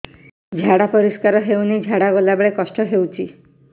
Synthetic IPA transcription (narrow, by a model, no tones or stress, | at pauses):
d͡ʒʱaɽapɔɾiskaɾɔɦewnid͡ʒʱaɽaɡɔlabeɭekɔsʈɔɦewt͡ʃʰi